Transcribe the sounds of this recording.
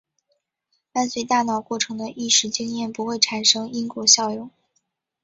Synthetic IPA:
t̪a˥˧nt͡swe˥˧ɪt̪a˥˩nɑ˨˩ʊkwɔ˥˩ʈ͡ʂʰɤ˧˥ŋd̪ə˧ʔi˥˩ʂɻ̩˥˩t͡ɕi˥ŋjɛ˥˩npu˧˥xwe˥˩ɪʈ͡ʂʰa˨˩nʂɤ˥ŋi˥ŋkwɔ˥˩ɕjɑ˥˧ʊjʊ˥˩ŋ

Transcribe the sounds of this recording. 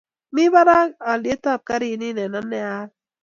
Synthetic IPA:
mi˦βa˦ɾa˦a˨li˨e˦ta˦˨p̚ka˦ɾi˦˨ni˦nɛ˨na˦nːɛ˦a˦

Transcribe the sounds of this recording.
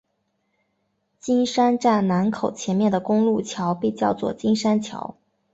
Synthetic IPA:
t͡ɕi˥nʂa˥nʈ͡ʂa˥˩ɪna˧˥nkʰo˨˩ʊt͡ɕʰjɛ˧˥nmjɛ˥˩nd̪ə˩kʊ˥ŋlu˥˩t͡ɕʰjɑ˧˥ʊpe˥˧ɪt͡ɕjɑ˥˧ʊt͡swɔ̰˥˩t͡ɕi˥nʂa˥nt͡ɕʰjɑ̰˧˥ʊ

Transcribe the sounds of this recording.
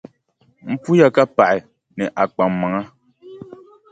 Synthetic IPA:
m̩˦pu˦ja˦ka˦pa˨ʔɪ˨ | nɨ˨ʔa˨k͡pa˨mː˨a˨ŋa˦

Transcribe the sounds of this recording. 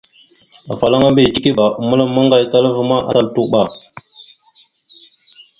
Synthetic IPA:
a˨fa˨la˦ŋa˦mbi˨ti˦ki˦ba˨u˨mə˦la˦mə˦ŋɡa˨jka˦lvə˦ma˦ʔa̰˦ta˦˨ltu˦ɓa˨

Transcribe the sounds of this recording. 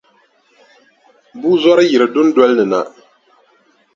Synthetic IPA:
buː˦zɔ˦ɾɨ˦ji˨ɾɨ˨dʊ˦n˦dɔ˦lnɨ˨na̰˨

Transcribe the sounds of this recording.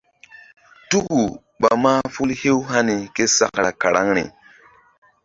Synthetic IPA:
tu˦ku˨ | ɓa˨ma˦fu˦lhe˦wɦa˦ni˨ke˦sa̰˦kɾa˨ka˨ɾa˦ŋɾḭ˨

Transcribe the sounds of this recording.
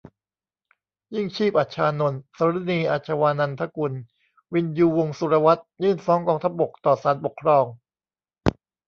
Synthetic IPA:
ji˥˩ŋt͡ɕʰiː˥˩p̚ʔa˨˩t̪̚t͡ɕʰaː˧no˧nsa˨˧˦ɾi˦˥niː˧ʔa˨˩t͡ɕʰa˧waː˧na˧nt̪ʰa˦˥ku˧n | wi˧njuː˧wo˧ŋsu˧ɾa˧wa˦˥t̪̚jɯː˥˩nfɔː˦˥ŋkɔː˧ŋt̪ʰa˦˥p̚bo˨˩k̚t̪ɔː˨˩saː˩˦nbo˨˩kʰːɾɔː˧ŋ

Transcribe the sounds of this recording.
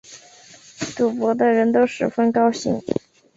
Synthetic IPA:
t̪u˨˩pwɔ˧˥d̪ə˧ɻə˧˥nt̪o˥ʊʂɻ̩˨˩fə˥nkɑ˥ʊɕḭ˧˥ŋ

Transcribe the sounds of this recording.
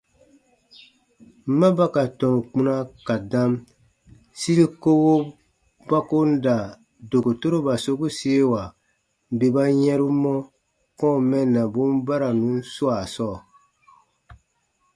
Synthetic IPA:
m̩˦mã˦ba˦ka˨tɔ̃˨ŋ˨k͡pũ˦nã˦ka˨dã˦m | si˦ɾi˦ko˦wo˦ | ba˦ko˦n̩˦da˨ | do˨ko˨to˦ɾo˦ba˨so˦ku˦si˦e˦wa˨ | be˨ba˦jɛ̃˦ɾu˦mɔ̃˦ | kɔ̃˦˨mɛ̃˦˨nːã˨bũ˦m˦ba˦ɾa˨nũ˨˦su˦a˨sɔː˦˨

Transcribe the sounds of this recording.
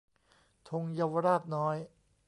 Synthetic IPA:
t̪ʰo˧ŋja˧wɾaː˥˩p̪̚nɔː˦˥j

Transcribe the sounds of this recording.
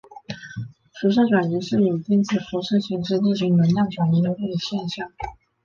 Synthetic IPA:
ʂu˧˥ʂ̬ɤ˥˩ʈ͡ʂwa˨˩ny˧˥ʂɻ̩˥˩ji˨˩t̪i˥˧nt͡sʰɹ̩˥˩fu˧˥ʂɤ˥˧ɕi˧˥ŋʈ͡ʂɻ̩˥˧t̪i˥˩t͡ɕy˧˥˩nə˧˥nljɑ˥˩ʈ͡ʂwa˨˩ni˧˥j̪o˧˥t̪e˥˩d̪ə˨˩ɕjɛ˥˧nɕjɑ˥˩ŋ

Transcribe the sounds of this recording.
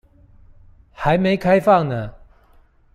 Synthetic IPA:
xa˨˦ɪme˨˧˦ɪkʰa˥ɪfɑ˥˨ŋnə˦

